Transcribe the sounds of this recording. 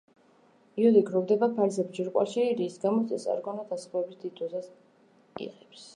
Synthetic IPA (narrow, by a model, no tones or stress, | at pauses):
iɔd̪iɡɾɔvd̪ɛbapʰalsɛbd͡ʒiɾqʼwa̰ʃiɾiːsɡamɔsɛsʼa̰ɾɡɔnad̪asχɛbisd̪it̪ʼuzasʼ | ḭʁɛps